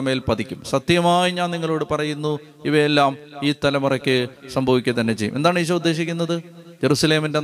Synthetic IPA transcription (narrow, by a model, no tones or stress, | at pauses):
ɐmeːlpɐd̪ikʲːumsɐt̪jɐmaːjiɲaːnniŋːɐɭo̞ːɽɨpɐrɐjunːu | iʋɐjelːaːmiːt̪ɐlɐmurɐkʲːɨsɐmbʱɐʋikʲːɨt̪ɐnːe̞t͡ɕejːumʔe̞nd̪aːɳɨiɕ̬ɐud̪ːe̞ːɕikʲːunːɐðɨ | d͡ʑe̞ɾusɐle̞ːminde̞